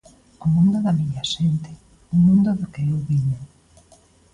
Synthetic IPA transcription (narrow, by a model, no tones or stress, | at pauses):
ʊmũnd̪ʊðamiʎaʃent̪e | umũnd̪ʊðokeewβiɲo